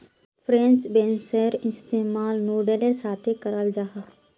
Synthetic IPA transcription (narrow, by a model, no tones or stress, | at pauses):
pʰɾẽnt͡ʃbẽːnsəɾɪst̪eːmaːlnuːɖelesaːt̪ʰekəɾəld͡ʒaːɦa